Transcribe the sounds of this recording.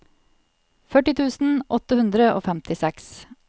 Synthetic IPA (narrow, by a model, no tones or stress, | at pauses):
fœʈɪt̪ʰʉːsn̩ʔɔt̪əhʉnd̪ɾəo̰ːfɛmt̪ʰɪsɛks